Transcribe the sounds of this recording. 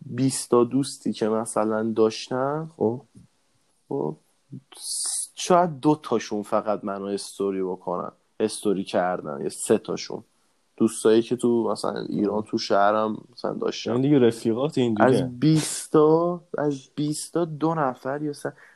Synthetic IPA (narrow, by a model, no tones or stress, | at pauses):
biːst̪ʰɒd̪ust̪ʰiːcʰe̞mæsælænd̪ɒːʃt̪æn | o̰b | ʃɒːjæd̪̚ːot̪ʰɒːʃunfæɣæd̪mænɔhe̞st̪ʰoɾibokʰonæ̰n | he̞st̪oɾiːcʰæɾd̪æ̰njḛse̞t̪ʰɒ̰ʃṵn | d̪̥ust̪ʰɒːjicʰe̞t̪ʰumæsæ̰læ̰nʔḭːɾɒːnt̪ʰuʃæhɾæmæsælæ̰nd̪ɒ̰ʃt̪æ̰ind̪iɡeɾefiɣɒːt̪ʰeĩndæzbist̪ɒæzbist̪ʰɒːd̪onæfæɾjɒsæn